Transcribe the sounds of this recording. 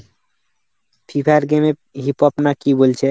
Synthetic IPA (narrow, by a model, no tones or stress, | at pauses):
pʰipʰaɾɡeme | ɦipɔpnakibolt͡ɕʰe